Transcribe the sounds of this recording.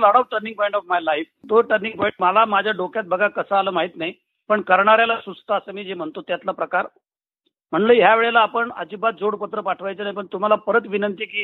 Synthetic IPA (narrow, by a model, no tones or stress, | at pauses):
ləɽəʋʈəɾnĩŋ̚pɔĩɳʈɔfmajlajfd̪oʈəɾniŋpɔjĩɳʈməlamad͡ʑʱjaɖokjat̪̚bəɡʱakəsəaləːmaɦit̪nai | pəɳkəɾɳaɾjalasust̪əːsəːmiːd͡zem̤əɳt̪ot̪jat̪lapɾəkaɾ | m̤əɳləɦjaʋeɭelaːpəɳə̰d͡ʑibat̪̚d͡zoɽpət̪ɾəpaʈʰʋajt͡sənajipəɳt̪um̤alapəɾət̪ʋinənt̪iːkiː